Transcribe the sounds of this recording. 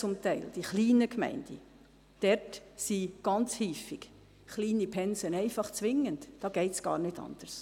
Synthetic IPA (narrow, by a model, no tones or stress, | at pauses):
t͡sʊmtɛɪld̥iχliːnəkmɛ̰ɪnd̥ḭ | d̥ɛɾtsiɡ̥ɑnt͡shiːfiɡ | χliːnipʰɛnsənɛɪfɑχt͡sʋɪŋːəntd̥ɑːɡ̥ɛɪtsɡ̥ɑ̰ːɾnɪtɑ̰nd̥ərs